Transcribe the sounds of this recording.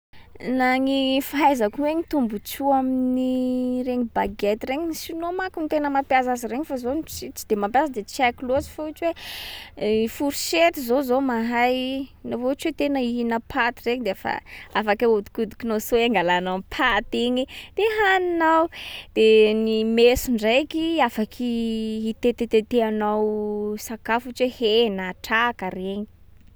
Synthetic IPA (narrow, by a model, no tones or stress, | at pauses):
naŋifaɦajzakueɲit̪umbut͡ʃuaminniɾeɲibaɡet̪ireɲisinomakunit̪enəmapjazaziɾeɲifazot͡sit͡si̥d̪̥emampjazəd̪et͡sakilozi̥fuut͡ʃwe | ifuɾiʃet̪izozomaɦajnovot͡ʃwet̪enəiinəpʰat̪ireɲid̪eafa̰afakaud̪u̥kud̪u̥kinasoaŋɡalanampʰat̪iɲid̪̥eɦaninawd̪̥enimesuɳɖ͡ʐajkiafakʰiɦit̪et̪et̪et̪eanawsakafut͡ʃwehenaʈ͡ʂakəreɲi̥